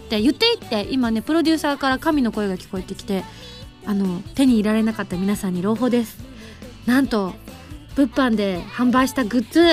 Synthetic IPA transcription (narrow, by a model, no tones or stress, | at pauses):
t̪ːe̞jɯ̟t̪ːe̞it̪ːe̞ʔimane̞pɯ̟ɾo̞dʲɨːsaːkaɾakamʲino̞ko̞e̞ɡakʲi̥ko̞e̞t̪ːe̞kʲi̥t̪e̞ | ano̞t̪e̞ɲ̟iːɾaɾe̞nakat̪ːamʲinasãɲ̟ːiɾo̞ːɦo̞ːd̪e̞sɨ̥ | nãnt̪o̞ | b̥ɯ̟pːãnd̪e̞hãmbaiɕi̥t̪aɡɯ̟t͡sɨ